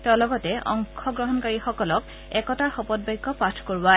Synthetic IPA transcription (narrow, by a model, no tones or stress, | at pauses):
tɛʊlɔɡɔtɛʔɔ̰ŋkʰɔɡɹɔɦɔnkaɹixɔkɔlɔk | ɛkɔtaxɔpɔt̚bajkːɔpatʰkoɹwa